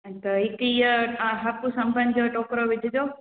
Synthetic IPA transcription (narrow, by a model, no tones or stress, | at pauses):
t̪ɐɦɪkijəɦɐpusɐ̃mbʱənd͡ʑoːʈoːkɾoʋɪd̪ʱɪd͡ʑoː